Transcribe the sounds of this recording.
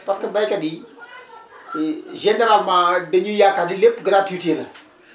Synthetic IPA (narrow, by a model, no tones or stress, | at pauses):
paskəbajkadi | ʒeneɾalmãdəɲujakadilepɡənatutenə